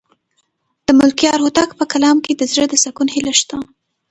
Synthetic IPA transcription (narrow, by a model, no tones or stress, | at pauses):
d̪̥əmʊlkjɑɾhʊt̪akpəkalɑmked̪əzɽəd̪əsakunhilaʃt̪a